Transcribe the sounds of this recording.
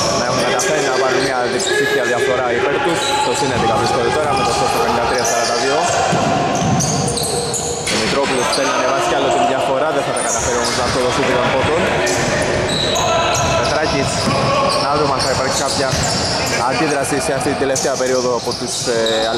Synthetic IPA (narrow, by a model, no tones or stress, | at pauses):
nɐexunɐt̪ɐfenːɐpɐnimiɐðisifiɐðjɐfo̞ɾɐipeɾt̪us | t̪osinet̪ikɐpɾist̪olit̪oɾɐmet̪osot̪ːeɾoend̪ɐt̪ɾiɐsɐɾɐnd̪ɐðio̞ | imit̪ɾopuluspeɾnɐnevɐscɐlot̪ijɐfoɾɐðeθɐt̪ɐkɐt̪ɐfeɾiomoznɐt̪oðosiθik̪anpot̪on | met̪ɾɐcis | nɐðɾumɐnθɐipɐɾç̥kɐpçɐ | ɐnd̪iðɾɐsiseaft̪it̪ind̪eleft̪eɐpe̞ɾio̞ðoɐpot̪us